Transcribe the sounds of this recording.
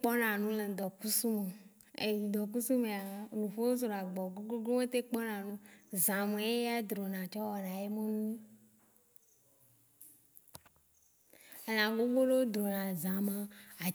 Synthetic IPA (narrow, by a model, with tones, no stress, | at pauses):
k͡pɔ˦nã˨nũ˦le˨d̪ɔ˨ku˦su˦me˨ | ḛ˨ɲĩ˨d̪ɔ˨k̬u˦su˦mẽ˨a˨nũ˨fo˦wo˦zɾo˨a˨ɡ͡bɔ˨ɡo˦ɡo˦ɡo˦me˦t̪e˦k͡pɔ˦nã˨nũ˦zã˨mẽ˨˦e˦ja˦d̪ɾo˨nã˨t͡ʃɔ˦wɔ˨nã˨je˦me˦nũ˦e˦ | e˨nã˨ɡo˦ɡo˦lo˦o˦d̪ɾo˨nã˨zã˨mã˦a˨